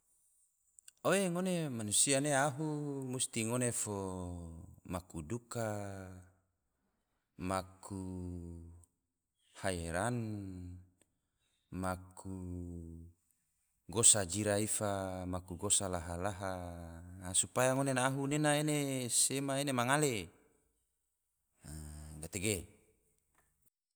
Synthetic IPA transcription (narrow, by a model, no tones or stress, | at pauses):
oeŋonemanusianeaɦumust̪iŋonefo | makuduka | makʰu | haeɾan | makʰu | ɡosad͡ʒiɾaifamakuɡosalaɦalaɦa | supajaŋonenaːɦunenaenesemaenemaŋale | ɡat̪eɡe